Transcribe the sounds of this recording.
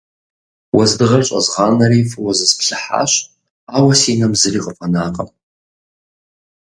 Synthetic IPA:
wazdɨʁart͡ʃʷʼazʁanaɾifɨwazɨspʰɬaħa̰ʃʷ | awasinamzɨriqʼəpʼanaqʼa̰m

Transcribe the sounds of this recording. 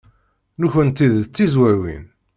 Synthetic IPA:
nuçənt̪ːiðt͡sːizwæɾwḭn

